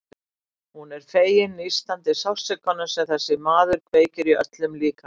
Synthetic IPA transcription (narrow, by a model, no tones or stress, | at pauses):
hunɛɾ̥feːjɪnːist̪lant̪ɪsawsɛkːanːʏsɛmθɛsːɪmaːðʏɾkveːjcɪɾiœ̰t̪lʏmliːka